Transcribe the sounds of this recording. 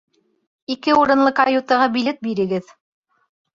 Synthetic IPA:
ikɘuɾɤ̆nlˠɤqajut̪ɑʁɑbilɘt̪̚biɾɘ̆ɡɘð

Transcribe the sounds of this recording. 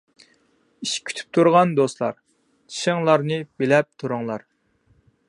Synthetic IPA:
iʃkʲʰy̥t̪ʰy̥p̚t̪ʰuɾʁɑnd̪oslˠɑ̰ɾ | t͡ʃʰi̥ʃɪŋlˠɑɾnɨbelɛp̚t̪ʰuɾʊŋlˠɑɾ

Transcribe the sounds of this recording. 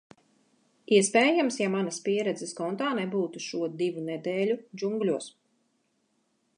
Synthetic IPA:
iɛspɛːjamsjamanɐspiɛɾɛd̪zɛskɔnt̪aːnɛbuːt̪uʃuɔd̪ivunɛd̪eːlʲud͡ʒuŋɡlʲuɔs

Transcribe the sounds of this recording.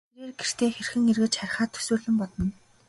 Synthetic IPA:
eɾeːrɡer̥t̪eːxerxɘ̆ŋerɣɘ̆t͡ɕχæɾʲɪ̆χaːt̪ʰɵ̥suːɮɘ̆mpɔt̪ɞ̆n

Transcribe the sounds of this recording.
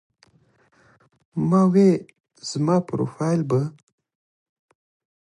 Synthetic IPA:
mɑwe | z̥mɑpɾo̰fɑjlba

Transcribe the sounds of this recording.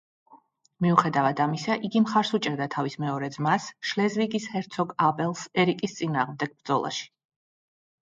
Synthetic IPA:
miuχɛd̪avad̪amisaʔiɡimχaɾsut͡ʃʼɛɾd̪at̪ʰavismɛɔɾɛd̪zmasʃlɛzviɡishɛɾt̪sʰɔɡabʼɛlˠsɛɾikʼist̪sʼinaːʁmd̪ɛɡ̥̚bɾd̪zɔ̰lˠa̰ʃi̥

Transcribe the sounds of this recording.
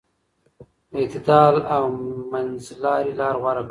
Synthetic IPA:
et̪ɪd̪ɑlawmanzlɑːɾilɑːɾɣwaɾak

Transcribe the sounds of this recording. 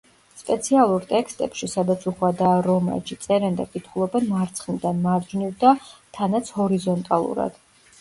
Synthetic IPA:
spʼɛt̪sʰialˠuɾt̪ʼɛkst̪ʼɛpʃisad̪at̪sʰuχwad̪aːɾɔma̰d͡ʒit̪sʼɛɾɛnd̪a̰kʼit̪ʰχulˠɔbɛnmaɾt̪sʰχnid̪anmaɾd͡ʒnivd̪at̪ʰanat̪sʰhɔɾizɔnt̪ʼalˠṵɾa̰d̪̥

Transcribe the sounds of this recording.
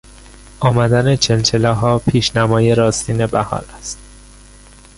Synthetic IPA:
ɒːmæd̪æne̞t͡ʃʰelt͡ʃʰelɒɦɒːpʰiːʃnæmɒːjeɾɒːst̪iːne̞bæhɒ̰ːɾæst̪̚

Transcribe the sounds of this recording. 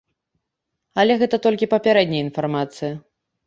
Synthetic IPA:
ɐlʲɛɣɛt̪ɐt̪ɔlʲkʲipɐpʲaɾɛd̪ʲnʲɐjinfarmat̪sɨjɐ

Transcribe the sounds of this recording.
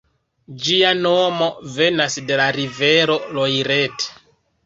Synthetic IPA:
d͡ʒiano̞mo̞ve̞nasde̞laɾive̞ɾo̞lojɾe̞t

